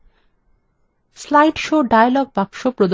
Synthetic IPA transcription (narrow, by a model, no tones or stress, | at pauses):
slajɖʃoɖajalɔɡ̚bapʃopɾod̪